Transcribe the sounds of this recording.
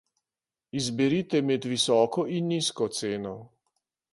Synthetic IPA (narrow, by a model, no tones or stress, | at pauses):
izbɛɾit̪ɛmɛd̪ʋisɔːkɔinːiskɔt̪seːnɔ